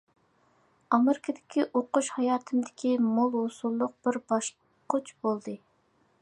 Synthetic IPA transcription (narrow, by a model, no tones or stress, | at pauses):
ɑmeɾɪkʰəd̪ɪkʲiʔoqʊʃhɑjɑːt̪ʰɨmd̪ɪ̥kʲimolˠɦosulˠːʊq̚bɪɾbɑʃ | qʰot͡ʃʰbolˠd̪ɨ